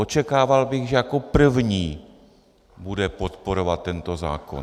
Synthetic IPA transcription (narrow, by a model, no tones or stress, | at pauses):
ot͡ʃɛkaːvalbɪɣʒɛjakopr̩vɲiː | budɛpo̞t̪poɾo̞vat̪ːɛnt̪o̞za̰ːko̞̰n